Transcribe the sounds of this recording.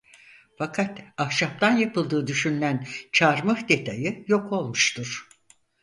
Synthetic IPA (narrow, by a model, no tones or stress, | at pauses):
fakʰat̪ahʃap̚t̪ʰanjapɯlˠd̪ɯːd̪yʃynlʲænt͡ʃʰaɾmɯhd̪e̞t̪ʰajɯjo̞kʰo̞lˠmuʃt̪ʰuɾ̥